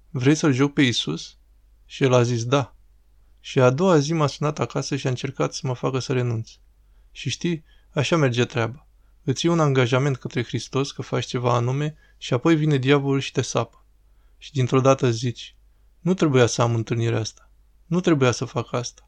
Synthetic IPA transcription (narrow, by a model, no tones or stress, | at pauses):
vɾe̞jsəlʒo̞k̚pe̞isus | ʃielazis̬d̪a | ʃiad̪o̞azimasunat̪akasəʃiaɨnt͡ʃe̞rkat̪səməfakəsəɾe̞nunt̪s | ʃiʃt̪ij | aʃame̞rd͡ʒe̞t̪ɾeaba | ɨt̪sʲjeunaŋɡaʒame̞nt̪̚kət̪ɾe̞xɾist̪o̞skəfat͡ʃt͡ʃe̞vaːnume̞ | ʃiapo̞jvine̞d̪javoulʃi̥t̪e̞sapə̥ | ʃid̪int̪ɾo̞d̪at̪əzit͡ʃʲ | nut̪ɾe̞bujasəamɨnt̪ɨlniɾeast̪ḁ | nut̪ɾe̞bujasəfakəast̪ḁ